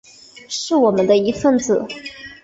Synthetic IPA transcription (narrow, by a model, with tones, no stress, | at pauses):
ʂɻ̩˥˩wɔ˨˩mə˦nd̪ə˧i˧˥fə˥˩nt͡sɹ̩˨˩˦